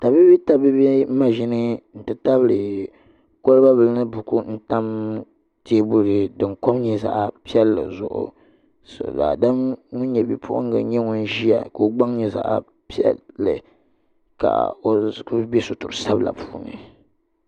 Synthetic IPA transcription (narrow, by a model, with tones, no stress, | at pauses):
ta˨bi˦bi˦ta˨bi˦bi˦ma˦˨ʒi˦nɨ˦n̩˨tɨ˦ta˦βɨ˦lɨ˨ | ko˦lɨ˦ba˦bɨ˨lnɨ˦bʊ˨ku˦n̩˦ta˦m | teː˦bʊ˦ɾɨ˨dɨ˨ŋko˦m˦ɲɛ˦za̰˨ʔa˨pi˦ɛ˦lːɨ̰˨zʊ̰˨ʔʊ̰˨ | so̰˨la̰˨da˦mŋʊ˦ɲɛ˨bi˦pʰʊ̰˦ʔʊ̰˦ŋ˦ɡa̰˨ɲɛ˦ŋʊ˦n˦ʒi˦a̰˨ka˨o˦ɡ͡ba˦ŋ˦ɲɛ˦za̰˨ʔa̰˨ | pi˦ɛ̰ː˦ɨ̰˨ | ka̰˨o˦kbɛ˦so˨tʊ˨ɾsa˦bla̰˨pʰu̥ː˦˨nɨ̰˨